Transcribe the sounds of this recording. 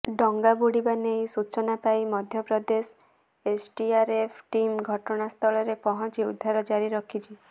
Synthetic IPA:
ɖɔŋɡabuɽibanejsut͡ʃɔnapajmɔd̪ʱjɔpɾɔd̪es | esʈiaɾepʰʈimɡʱɔʈɔɽ̃ast̪ʰɔɭɔɾepɔɦɔ̃t͡ʃiud̪ʱːaɾɔd͡ʒaɾiɾɔkʰit͡ʃʰi

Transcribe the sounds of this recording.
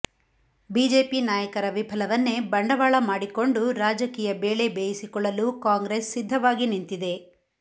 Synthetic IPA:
biːd͡ʒe̞ːpinaːjɐkɐɾɐʋibʱɐlɐʋɐnːebɐɳɖɐʋaːɭɐmaːɽiko̞ɳɖuɾaːd͡ʒɐkiːjɐbeːɭe̞beːjisikɔɭːɐlukaːŋɡɾesːid̪ʱːɐʋaːɡinint̪id̪e̞

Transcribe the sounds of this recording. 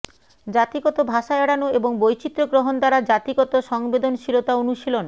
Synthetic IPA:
d͡ʑat̪iɡɔt̪obʱaʃaeɽanoeboŋbojt͡ɕit̪ːɾoɡɾoɦond̪aɾad͡ʑat̪iɡɔt̪oʃɔŋbed̪onʃilot̪aonuʃilon

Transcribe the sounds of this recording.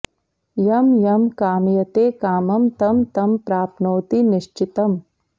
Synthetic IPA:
jɐmjɐmkaːmjɐt̪eːkaːmɐmt̪ɐmt̪ɐmpɾaːpnoːt̪iniʃt͡ʃit̪ɐm

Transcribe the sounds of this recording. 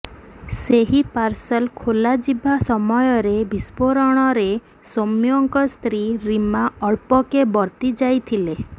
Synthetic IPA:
seɦipaɾsɔlkʰolad͡ʒibʱasɔmɔjɔɾebʱispoɾɔɽ̃ɔɾe | somjɔŋkɔst̪ɾiɾimaɔɭpɔkebɔɾt̪id͡ʒajt̪ʰile

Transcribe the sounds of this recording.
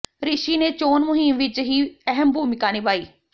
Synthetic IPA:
ɾɪʃiːneːt͡ʃoːnmʊɦimʋɪt͡ʃɦiːɛɦəmbʱuːmɪkaːniːbaːiː

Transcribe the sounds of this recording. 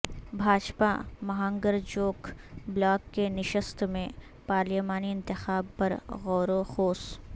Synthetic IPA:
bʱaːd͡ʒpamɐɦãŋɡəɾd͡ʒoːkblaːkːenɪʃəst̪mẽ | paːɾlimaːniɪ̃nt̪ɪxaːb̚pɐɾɣɔːɾoxoːs

